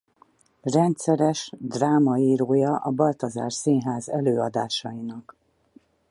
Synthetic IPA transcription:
rɛnt̪sɛɾɛʃd̪raːmɒiːɾoːjɒʔɒbɒlt̪ɒza̰ːrsinɦaːzɛløːɒd̪aːʃɒjinɒk

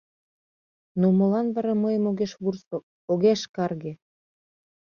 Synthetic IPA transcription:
nomolɑnβɑɾɑməjəmoɣeʃβurso | oɣeʃkɑrɣe

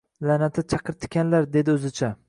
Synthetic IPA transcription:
lanat̪ʰɪt͡ʃʰɑqʰɨɾt̪ʰɪ̥kʲanlaɾd̪ed̪ɪɵzɪt͡ʃʰa

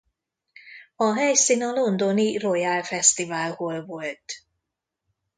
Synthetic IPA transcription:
ɒɦɛjsiːnɒlo̞nd̪o̞nirojalfɛst̪ivaːlholvo̞lt̪

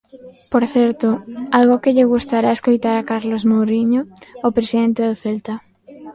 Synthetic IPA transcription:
poɾθɛɾt̪ʊalɣokɪʎɪɣust̪aɾaeskojt̪aɾakaɾlozmowɾiɲoːpɾesiðent̪eðoθɛlt̪a

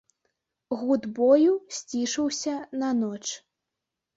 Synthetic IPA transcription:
ɣud̪bɔjusʲt͡sʲiʂɐwsʲɐnɐnɔt͡ʂ

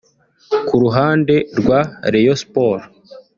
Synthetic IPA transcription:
kuɾuɦaːnde̞ɾɡwaɾejospoɾ

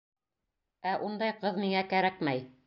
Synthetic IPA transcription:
æʔund̪ɑjqɤðmiŋækæɾækmæj

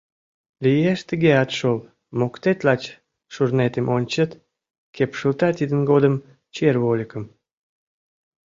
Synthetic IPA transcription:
lijeʃt̪əɣeɑt̪ʃol | mokt̪et̪lɑt͡ɕ | ʃurnet̪emʔonʲt͡ɕət̪ | kepʃəlt̪ɑt̪id̪ənɡod̪əm | t͡ɕerβolʲikəm

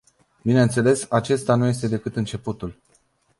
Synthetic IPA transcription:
bine̞nt̪se̞le̞sat͡ʃe̞st̪anuje̞s̬t̪e̞d̪e̞kɨt̪ɨnt͡ʃe̞put̪ul

